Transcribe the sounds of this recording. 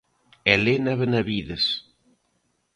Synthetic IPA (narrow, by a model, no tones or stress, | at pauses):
elenaβenaβiðɪs